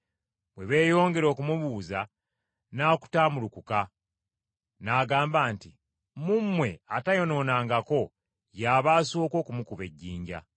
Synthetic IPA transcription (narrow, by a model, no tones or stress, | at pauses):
bwe̞βe̞ːjo̞ːŋɡe̞ɾo̞ːkumuβuːza | naːku̥taːmulukuka | naːɡaːmbaːnti | mumwe̞atajo̞no̞ːnaːŋɡako̞ | jaːβaːsoːko̞ːkumukuβe̞̰ɟːiːɲɟa̰